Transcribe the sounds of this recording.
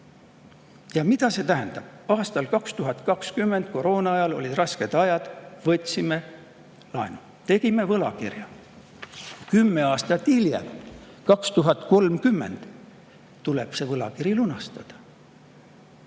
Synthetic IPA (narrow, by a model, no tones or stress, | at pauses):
jɑmid̪ɑse̞t̪æɦænd̪̥ɑb̥ɑːst̪ɑlkɑkst̪uɦɑt̪ˑkɑkskymːend̪̚ko̞ɾo̞ːnɑɑjɑlo̞̰lʲid̪rɑske̞d̪̥ɑjɑd̪̥vɤt̪ʲːsime̞ | lɑenu | t̪e̞ɡ̥ime̞vɤlɑkirjɑ | kymːe̞ɑːst̪ɑt̪ːiljḛm | kɑkst̪uɦɑt̪ˑko̞lmkymːe̞̰nd̪̥ | t̪ːule̞b̥se̞vɤlɑ̰kiɾilunɑst̪ɑd̪̥ɑ̥